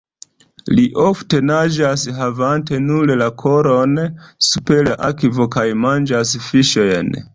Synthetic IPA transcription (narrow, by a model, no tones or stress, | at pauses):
liʔofte̞nad͡ʒasɦavante̞nullakʰo̞ɾonsupe̞laʔakivokajmand͡ʒasfiʃojn